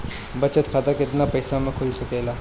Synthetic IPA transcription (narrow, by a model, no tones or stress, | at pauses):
bɐt͡ʃət̪kʰaːt̪əkɪt̪napɐjsamẽkʰʊlsɐkelaː